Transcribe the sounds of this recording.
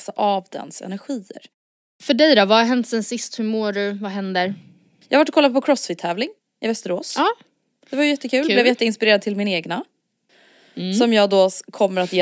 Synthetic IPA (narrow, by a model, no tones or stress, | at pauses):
saʔavd̪ɛ̰nsɛ̰næɾɧiːə̰ɾ | fœɖɛjd̪ɔvahaɦɛnt̪sɛnsɪst̪hɵmoːɖɵvaɦɛnd̪əɾ | jɑːhavaʈ̬ːɔkʰɔlːapɔkʰɾɔsfɪt̪ʰːɛːvlɪŋ | ɪvɛst̪əɾoːsɑː | d̥̪ɛvajʏjɛt̪ːəkʰʉ̟ːlblɛvjɛt̪ːəɪnspɪɾeːɾad̪̚t̪ʰɪlmɪnaeːɡna | sɔmjɑːɡd̪oːkʰɔmːəɾat̪jeː